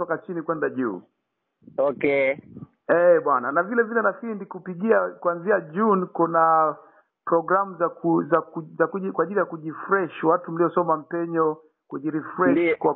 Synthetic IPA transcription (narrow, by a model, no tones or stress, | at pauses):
tɔkat͡ʃinikwɛndaʄṵː | ɔkɛ | ɛɓwananavilɛvilɛnafindikupiɡiakuanziaʄunkuna | pɾɔɡɾamuzakuzakuzakikwaʄilijakuʄifɾɛʃwatum̩liɔsɔmam̩pɛɲɔ | kuʄiɾifɾɛʃkwa